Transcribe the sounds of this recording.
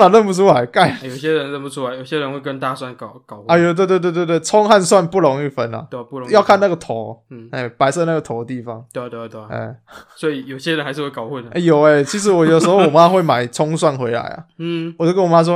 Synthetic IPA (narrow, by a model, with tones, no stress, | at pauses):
ə˨lə˥˨npu˥˩t͡sʰu˥la˧˦ɪka˥˧ɪjo˨˩ʊɕjɛ˦ɻə˧˦nɻə˥˨npu˥˩t͡sʰu˦˥la˧˦ɪjo˨˩ʊɕɛ˦˥ɻə˧˦nxwe˥˩ɪkə˦nt̪a˥˧swa˥˨nkkɑ˨˩ʊxɐ˨jo˨t̪we˥˧t̪wt̪wt̪t̪wɪt͡sʰɔ˥ŋxa˥˧nswa˥˧npu˥˩lɔ˨˦ŋi˥˩fə˦nɐ̰˨˧˥jɑ˥˧ʊkʰa˥˧na˥˩ɡə˩t̪ʰɔ˨˦˥e˥˩pa˧˥ɪsɤ˥˧na˥˩ɡə˩t̪ʰo˨˦d̪ə˧t̪i˥˩fɑ˦ŋt̪we˥˧t̪e˥˧˩t̪e˥˧˩ḛ˥˧˩swɔ˧˥i˨˩jo˨˩ʊɕjɛ˦˥ɻə˧˦nxa˧˦ʂ̬ɻ̩˥˧we˥˩kaɑ˨˩ʊxu˥˨nə˨ʔjo˨˩ʊe˧˦t͡ɕʰi˧˥ʂ̬ɻ̩˧˥wɔ˨˩jo˨˩əs̩˧˥xo˥˩ʊwɔ˨˩ma˦xwe˥˩ɪma˨˩ɪt͡sʰɔ˥ŋswa˥˩nxwe˧˥ɪla̰˨˧˦ɪɐ̰˨˩wɔ˨˩ʈ͡ʂə˥ɡə˨wɔ˨˩ma˦˥ʂ̬wɔ˥